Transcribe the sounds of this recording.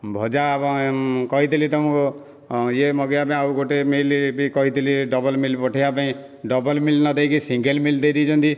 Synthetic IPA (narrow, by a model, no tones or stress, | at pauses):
bʱɔd͡ʒabɔkɔɦit̪ilit̪ɔmũko | jemʌɡijapaĩauɡoʈemilbikɔɦit̪iliɖʌbɔlmilpɔʈʰijapaĩ | ɖʌbɔlmilnʌd̪ejkisĩŋɡelmild̪ejd̪it͡ʃʰunt̪i